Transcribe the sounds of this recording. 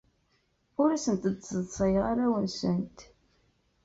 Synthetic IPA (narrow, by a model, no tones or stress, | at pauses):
ʊɾæsənt̪əd̪səðˤsˤɑjʁaɾæwənsənt̪